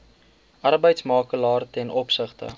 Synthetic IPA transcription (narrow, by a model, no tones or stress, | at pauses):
ʔɐrbəjtsmɑːkəlɑːrtɛnʔɔpsəχtə̰